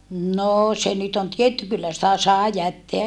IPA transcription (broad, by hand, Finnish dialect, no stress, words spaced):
noː se nyt on tietːy kylːæ sĭtæ sɑˑe jætːeæ